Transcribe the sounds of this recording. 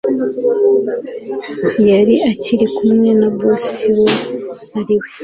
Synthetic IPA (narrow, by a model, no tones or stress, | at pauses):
jaɾiaciɾikumŋe̞nabosiwo | aɾiwe